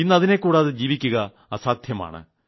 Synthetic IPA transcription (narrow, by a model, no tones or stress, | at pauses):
inːɐðine̞kːuːɽaːðɨd͡ʑiːʋikʲːuɣɐː | saːd̪ʱjɐma̰ːɳɨ̰